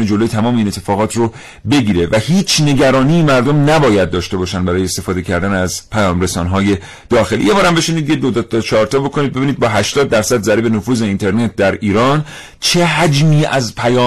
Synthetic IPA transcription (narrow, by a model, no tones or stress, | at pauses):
ned͡ʒo̞lojet̪ʰæmɒːmeine̞t̪ʰːefɒːɣɒːt̪ʰɾo | be̞ɡiːɾe̞væhiːt͡ʃʰne̞ɟæɾɒːniːmæɾd̪o̞mnæbɒːjæd̪ːɒːʃt̪e̞bɒːʃænd̪bæɾɒːjeːst̪e̞fɒːd̪e̞cʰæɾd̪ænæzpʰæjɒːmɾe̞sɒːnɦɒːje̞ | d̪̥ɒːxe̞lḭje̞bɒːɾæmbe̞ʃeniːd̪jed̪od̪t̪t͡ʃʰɒːɾt̪ʰɒːbo̞kʰoniːd̪̚beiːniːd̪̚bɒːɦæʃt̪ɒːd̪̚ːæɾsæd̪zæɾiːbe̞nofuːze̞int̪ʰe̞ɾnet̪̚ʰd̪æɾiːɾɒːn | t͡ʃʰeɦæd͡ʒmiːæzpʰæjɒː